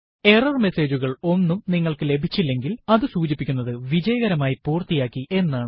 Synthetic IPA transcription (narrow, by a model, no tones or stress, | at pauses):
e̞rɐrme̞se̞ːd͡ʑuɣɐɭo̞nːumniŋːɐɭkɨle̞bʱit͡ɕːilːe̞ŋɡilɐðɨsuːt͡ɕipːikʲːunːɐðɨʋid͡ʑɐjɐɣɐɾɐmaːjipuːrt̪ijaːkːiʔe̞nːaːɳ